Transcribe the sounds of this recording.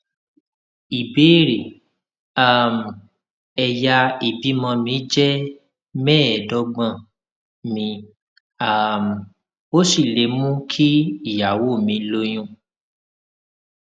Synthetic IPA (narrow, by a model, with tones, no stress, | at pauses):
i˨beː˨˦˨ɾe˨ | a˦˨m˨ | ɛ˧ja˧i˨bi˨˦mɔ̃˧mĩ˨˧˦d͡ʒɛ˦ | mɛ̃ː˦ɛ˨dɔ˨˦ɡ͡bã˦˨ | mĩ˧ | a˦˨m˨ | o˦si˦˨le˧˦mũ˦kʰi˦i˦˨ja˨wo˦˨mĩ˧lo˧j̃ũ˦˨